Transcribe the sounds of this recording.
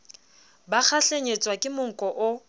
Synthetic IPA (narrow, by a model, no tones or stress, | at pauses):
bak͡xʰaɬeɲet͡sʼwakʼɪmʊŋ̩kʼɔʔʊ